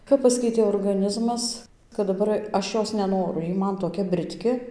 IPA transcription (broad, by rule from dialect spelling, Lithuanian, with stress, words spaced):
kɐp ˈpɑːsʲkʲɛɪtʲeː oːrɡɐˈnʲɪzmɐs kɐt dɐˈbɐr ˈɐʃ ˈjoːs nʲɛˈnoːrʊ ˈjiː ˈmɐn toːˈkʲɛ bʲrʲɪtʲˈkʲɪ